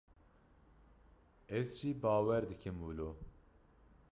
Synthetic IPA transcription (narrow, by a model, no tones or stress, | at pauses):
ɛzʒiːbɑːwɛɾd̪ɨkʰɨmuloː